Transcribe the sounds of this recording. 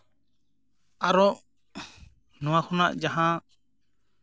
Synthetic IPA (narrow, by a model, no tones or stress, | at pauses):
aɾɔʔ | nɔ̃waxʰɔnaʔd͡ʒaɦã